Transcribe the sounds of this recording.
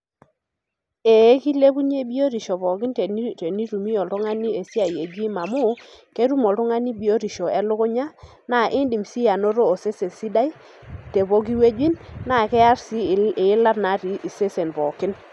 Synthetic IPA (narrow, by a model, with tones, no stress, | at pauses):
e˨˦ki˦le˦bu˦ɲe˦bi˦o˦ɾi˨ʃɔ˨bɔ˨kɪ˦ntte˨ni˦ɾu˨mi˦ɔ˨ltʊ˦ŋa˦ni˦e˨sja˨je˨d͡ʒi˦ma˨mʊ˦ke˦ɾu˦mɔ˨ltʊ˦ŋa˦ni˦bi˨˦o˦ɾi˨ʃo˨ɛ˦lʊ˦kʊ˦ɲa˦ | na˨ʔɪ˦ndi˨msi˦ja˨no˦ɾo˦o˨se˦se˨si˦da˦i˦ | te˨bo˦ɡi˦we˦d͡ʒwi˦nːa˨kɛ˦a˦ɾsi˦˨e˨˦la˦na˨˦ɾi˨ʔi˨se˦se˨nbɔ˨kɪ˦n